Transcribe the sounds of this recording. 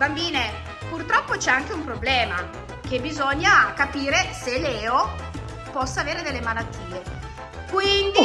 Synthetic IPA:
bambiːne | purt̪ɾɔpːot͡ʃɛaŋk̟eumpɾoblɛːma̰ | k̟ebizoɲːakapiːɾeselɛːo | pɔsːaːveːɾed̪elːemalat̪ːiːe | kwind̪i

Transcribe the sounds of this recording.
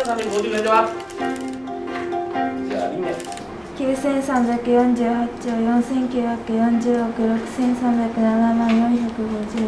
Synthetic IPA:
kʲjɯːsẽ̞nsãmbʲjakɯ̟jõɲd͡ʑɨːhat͡ɕojõnsẽ̞ŋkʲjɯjakɯ̟jõɲd͡ʑɯokɯ̟ɾokɯ̟̥sẽ̞nsãmbʲjakɯnanamãnjõŋ̃çokɯɡod͡ʑɯ

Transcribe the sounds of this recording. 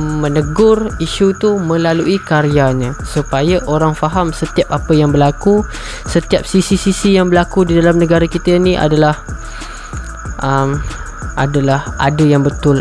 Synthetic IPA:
mə̃nəɡʊriʃut̪umə̃laluikaɾiaɲãsupajaʔoɾaŋfaɦamsət̪iap̚apəjaŋbəlaku | sət̪iap̚sisisisijaŋbəlakudidalamnə̃ɡaɾakit̪əinĩʔa̰dalah | ʔəm | ʔa̰dalahʔa̰dajaŋbət̪ʊl

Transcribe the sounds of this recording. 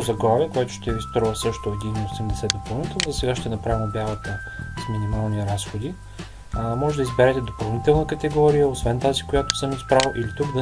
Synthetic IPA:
zɐɡlˠaviəkoɛt̪ʊ̥ʃt̪ɛist̪ɾɔvəsɤʃt̪ʊɛd̪iniosɛmd̪ɛsɛd̪opɐlˠnit̪ɛlˠnzɐsɛɡaʃt̪ɛnɐpɾavimbʲjavət̪ə | sminimalˠniɾasxod̪i | mɔʒɛd̪ɐizbɛɾɛt̪ɛd̪opɐlˠnit̪ɛlˠnəkət̪ɛɡɔɾijəosvɛnt̪azikojat̪ʊ̥sɤmispɾalˠʔilit̪uɡd̪ɐ

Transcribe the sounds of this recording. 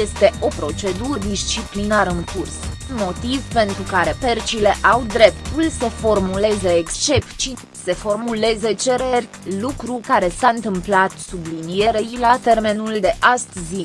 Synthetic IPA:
je̞st̪e̞ʔo̞pɾo̞t͡ʃe̞d̪uɾəd̪ist͡ʃiplinaɾəɨŋkursnmo̞t̪ivpe̞nt̪ɾukaɾe̞pert͡ʃile̞ʔawd̪ɾe̞pt̪ulsəfo̞rmule̞zeekst͡ʃe̞pt͡ʃi | se̞fo̞rmule̞zet͡ʃe̞ɾerʲ | lukɾukaɾe̞sant̪ɨmplat̪sublinije̞ɾeilat̪e̞rme̞nuld̪e̞ʔast̪zi

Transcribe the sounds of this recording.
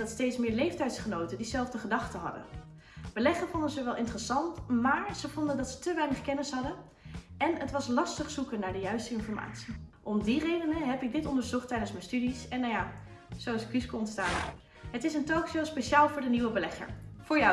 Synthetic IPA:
ɑtstejtsmɪːɹlejftɛjtsχənowtədizɛlˠvdəχədɑχtəɦɑ̰də̰ | b̥əlɛχəvɔndənzəʋɛlˠʔɪntrəsɑntmaːɹz̥əvɔndəndɑtsə̥təʋɛjnəχkɛnɪsɦɑdə | ʔɛnətʋɑslɑstəχsukənaːɹdəjœɥstəɪnfɔɹma̰ːtsi̥ʔɔmdirejdənəɦɛpɪɡ̚dɪtɔndəɹzɔχtɛjdənsmənstydisɛnːawja | z̥owɑsɪkyskoɔntstaːn | ɦətɪsəntoːkʃowspeʃaːlˠvʊːɹdəniwəbəlɛχə̰ɹfʊːɹja

